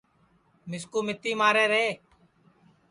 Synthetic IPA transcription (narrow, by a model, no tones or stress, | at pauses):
mɪskuːmɪt̪ːiːmaːɾeːɾeː